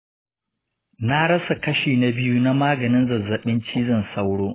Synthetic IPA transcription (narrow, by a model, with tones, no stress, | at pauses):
na˦ɽɐ˦sa˨kɐ˦ʃiː˨na˨bɪ˦ju˦na˦maː˦ɡɐ˨nɪ˦nzɐ˨zːɐ˨ɓɪ˦nt͡ʃiː˦zɐ˦nsɐ˦wɽoː˦